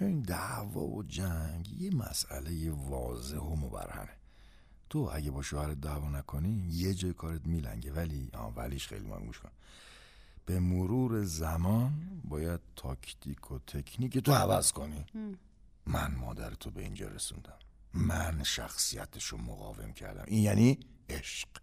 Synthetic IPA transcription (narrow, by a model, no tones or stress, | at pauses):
t͡ʃoind̪ævɒ̰ːvo̰d͡ʒæɲɟje̞mæ̰sæ̰le̞jevɒːze̞homobæ̰ɾhæ̰me̞ | t̪ʰoʔæɟebɒːʃoːhæɾet̪̚d̪ævɒːnækʰo̞nijed͡ʒɒːjekʰɒːɾet̪miːlæ̰ɲɟe̞væliɒ̰ːvæliːʃxḛjlḭmʔo̰lɡṵʃkoni | b̥e̞moɾuːɾe̞zæmɒːnbɒːjæd̪̥̚t̪ʰɒcʰt̪ʰikʰot̪ʰe̞kʰniːcet̪ʰoævæzkʰo̞ni | mænmɒ̰ːd̪æɾet̪ʰobe̞̰ḭnd͡ʒɒ̰ɾe̞̰sṵnd̪æmː | ænʃæ̰xsijæ̰t̪ʰeʃomo̰ɣɒ̰ːve̞̰mcʰæ̰ɾd̪æ̰mʔinjæniːeʃq